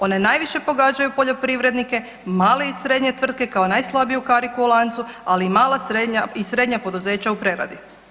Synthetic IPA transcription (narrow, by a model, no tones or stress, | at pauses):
o̞ne̞naːjʋiʃe̞po̞ɡaːd͡ʑajupo̞ʎo̞pɾiʋɾe̞d̪nike̞ | maːle̞isɾe̞ːd̪ɲe̞t̪ʋr̩d̪̚ke̞kao̞najslˠabijukaɾikuulˠant̪sualiːmaːlˠasɾed̪ɲaisɾe̞d̪ɲapo̞d̪uze̞ːt͡ɕaupɾeɾa̰d̪i